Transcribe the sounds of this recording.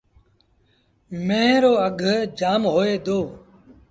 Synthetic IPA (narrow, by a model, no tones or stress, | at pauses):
mẽːɾoːəɡʱd͡ʒaːmɦoːeːd̪oː